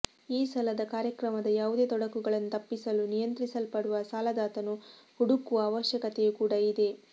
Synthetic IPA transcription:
iːsɐlɐd̪ɐkaːɾjɐkɾɐmɐd̪ɐjaːʋud̪e̞ːt̪ɔɽɐkuɡɐɭɐnːut̪ɐpːisɐlunijɐnt̪ɾisɐlpɐɽuʋɐsaːlɐd̪aːt̪ɐnuhuɽukuʋɐːʋɐʃjɐkɐt̪ejukuːɽɐid̪e̞

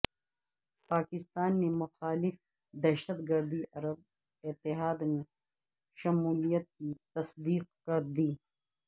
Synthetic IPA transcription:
paːkɪst̪aːnːemʊxaːlɪf | d̪ɐʃət̪ɡɐɾd̪iʔɐɾəb̚ | ɪt̪ːɪɦaːd̪me | ʃɐmuːlijət̪̚kit̪ɐsd̪iːq̚kɐɾd̪iː

